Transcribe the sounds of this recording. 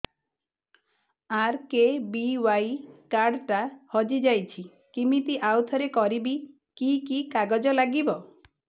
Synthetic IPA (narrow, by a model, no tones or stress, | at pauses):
aɾkebiwajkaɾɖʈahɔd͡ʒid͡ʒajt͡ʃʰi | kimit̪iʔawt̪ʰɔɾekɔɾibi | kikikaɡɔd͡ʒɔlaɡibɔ